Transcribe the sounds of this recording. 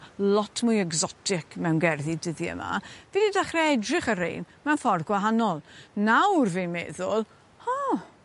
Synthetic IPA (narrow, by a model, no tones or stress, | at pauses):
lˠɔtʰmʊjɛɡzɔtʰɪkʰmɛwnɡɛrðidəðiə̰ma̰vididaχrɛɛdrɪχəɾḛjnmɛwnfɔrðɡwaɦanɔlˠnawrvenmeːðʊlˠ | ɔ